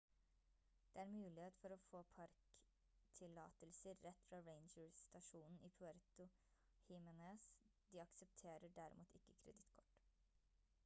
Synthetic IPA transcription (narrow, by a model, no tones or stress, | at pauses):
d̪̥eːæːɾmʉːlɪheːt̪fɔɾɔfoːpʰɑɾk | t̪ʰɪlɑ̰ːt̪əlsəɾːɛt̪ːfɾɑːɹeɪnd͡ʒəɹst̪ɑʃuːnn̩iːpʰʉæɾt̪ʊ | hɪːmənesd̪ɪːɑksəp̚t̪ʰeːɾəɖæɾɪ̰mṵːt̪ɪkːəkʰɾɛ̰d̪ɪt̪kʰɔ̥ʈː